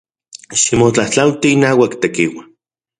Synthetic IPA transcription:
ʃimot͡ɬaht͡ɬawt̪iːnaːwakt̪ekiwa

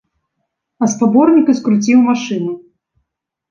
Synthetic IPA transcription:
ɐspabɔrnʲikɨskɾut͡sʲiwmaʂɨnu

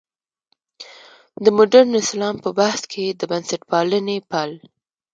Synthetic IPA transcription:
d̪əmʊɖaɾnɪslɑmpəbahskʰed̪əbansaʈpɑlənepal

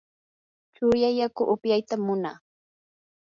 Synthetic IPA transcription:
t͡ʃʊjajakʊʔʊpjajt̪amːʊna̰ː

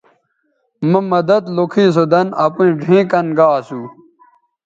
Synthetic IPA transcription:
mɐmɐd̪ɐd̪lokʰiːs̬od̪ɐnɐpũɖʱĩːkɐnɡaːsuː

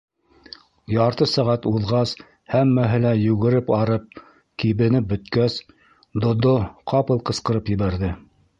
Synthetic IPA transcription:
jɑɾt̪ɤsæʁæt̪uðʁɑs | hæmːæɦɘlæjʉɣɘ̆ɾɘpɑɾɤp̚ | kiβɘ̆nɘp̚bɵ̆t̪kæs | d̪ŏd̪oqʰɑpɤlˠqɤ̆sqɤ̆ɾɤpjɘ̆βæɾðɘ

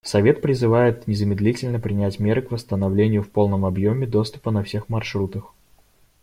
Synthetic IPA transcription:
sɐvʲe̞t̪̚pɾʲɪzɨvajɪt̪nʲɪzəmʲɪd̪lʲitʲɪlʲnəpɾʲɪnʲætʲmʲeɾɨkvəst̪ənɐvlʲenʲɪjʊfpo̞lˠnəmɐbjomʲɪd̪o̞st̪ʊ̥pənɐfsʲe̞xmɐrʂɾut̪əx

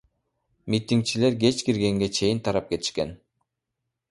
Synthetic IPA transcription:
mʲit̪ʲiŋk̚t͡ʃile̞ɾɡe̞t͡ʃkiɾɡe̞ŋɡe̞t͡ʃʰe̞jint̪ʰɑɾɑp̚ke̞t̪i̥ʃke̞n

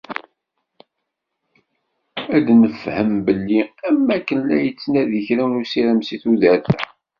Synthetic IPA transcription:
æd̪nəfhəmbəlːiæmːækːənːæjət͡sːnæðəçɾæwlusiɾəmsiθuðæɾθæ̰

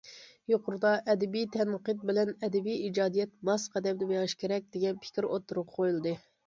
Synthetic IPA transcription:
joqʰʊɾɨd̪ɑʔɛd̪ɛbijt̪ʰɛnqəd̪̚bɪlɛnɛd̪ɛbijid͡ʒɑːd̪ijɛt̪mɑsqʰæd̪ɛmd̪ɛmjɑʁʃkʲʰeɾɛk̚ʲd̪̥eɡʲɛnpʰɪ̥kʲiɾot̪ʰːuɾʊqqʰojulˠɨd̪ɨ

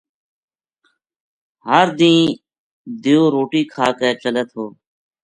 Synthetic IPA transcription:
ɦəɾd̪ĩː | d̪ɪjoːɾoːʈiːkʰaːkeːt͡ʃələt̪ɦoː

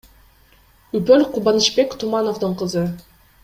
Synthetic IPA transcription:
ypølqʰubɑnit͡ʃpe̞kt̪ʰumɑnovd̪ɯɴqʰɯzɯ

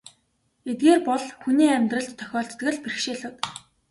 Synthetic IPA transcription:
et̪̚ɡeːrpɔɮxuniːæmʲt̪rə̆ɬt̪ʰːœ̥xʲɔːɬt̪t̪ɣə̆ɮperxʃeːɮɘ̆wt̪

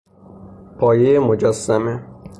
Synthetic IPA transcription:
pʰɒːjejemod͡ʒæsːæme

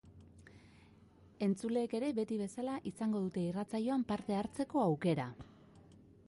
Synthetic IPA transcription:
e̞nt͡sule̞ːke̞ɾe̞βe̞t̪iβ̞e̞salaʔisaŋɡo̞ðut̪e̞irat͡saʎo̞ampaɾt̪e̞aɾt͡se̞ko̞awke̞ɾa

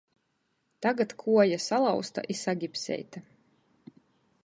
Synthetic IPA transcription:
t̪aɡat̪kʰuɔjasalˠɑwst̪a̰ʔisaɡʲipsɛ̰jt̪a

